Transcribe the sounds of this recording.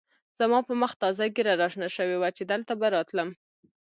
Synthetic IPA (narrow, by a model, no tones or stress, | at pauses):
z̥amɑpəməxt̪ɑzaɡeɾaɾɑʃnaʃəwewat͡ʃed̪əlt̪abaɾɑt̪ləm